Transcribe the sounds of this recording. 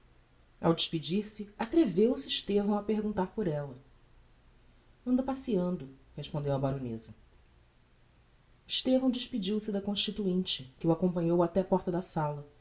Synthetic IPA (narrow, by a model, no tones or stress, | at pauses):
awd͡ʒiʃpid͡ʒiɾsɪat̪ɾevewsɪːʃt̪evɐ̃w̃ɐpeɾɡũnt̪aɾpʊɾɛlɐ | ɐ̃nd̪ɐpasiɐ̃nd̪ʊheʃpõnd̪ewɐbaɾonḛzɐ | iʃt̪evɐ̃w̃d͡ʒiʃpid͡ʒiwsɪd̪ɐkõʃt͡ʃit̪uĩnt͡ʃɪkɪuakõpɐ̃ɲowat̪ɛɐpɔɾt̪ɐd̪ɐsalɐ